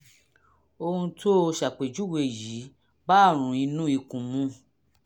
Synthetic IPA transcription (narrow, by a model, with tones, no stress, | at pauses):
o˧hũ˧tʰo˦˧ʃa˨k͡pe˨d͡ʒu˦we˧˨ji˨˦ | ba˦˨ɾ̃ũ˨˦ĩ˧nũ˦i˧kũ˨mũ˧˦